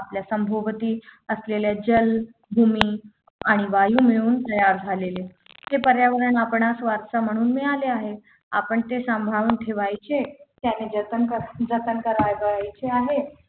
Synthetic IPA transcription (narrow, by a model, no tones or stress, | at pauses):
apljasəmbʱoʋət̪iːəsleljad͡ʑəl | bʱumiː | aɽ̃iʋajuːmeɭuːnt̪əjaɾd͡zʱalele | t̪epəɾjaʋəɾəɳapɳasʋaɾsam̤əɽ̃uːnmialeaɦe | a̰pəɳt̪esãmbʱauːnʈʰeʋajt͡ɕet̪janed͡zət̪əkəd͡zət̪ənkəɾajʋajt͡ɕeaɦe